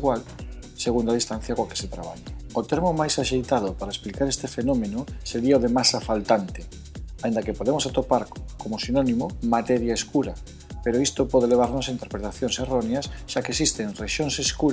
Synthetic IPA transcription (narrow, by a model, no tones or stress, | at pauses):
ɣwal | seɣund̪aðist̪an̟θjɐkoake̥set̪ɾaβ̞aʎaot̪eɾmomajsaʃejt̪aðʊpaɾaesplikaɾest̪efenomenʊseɾiaoðemasafalt̪ant̪e̥ | aind̪akepoðemosat̪opaɾkomosinonimomat̪ɛɾjaeskuɾa | peɾoist̪opɔð̞eleβ̞aɾnosaint̪eɾpɾet̪aθjonseroneɐsʃakesist̪eŋreʃoŋseskuɾ